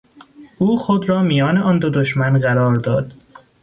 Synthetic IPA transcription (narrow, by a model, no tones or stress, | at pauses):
ʔuːxod̪ɾɒːmijɒːneʔɒːnd̪od̪oʃmænɢæɾɒːɾd̪ɒːd̪̥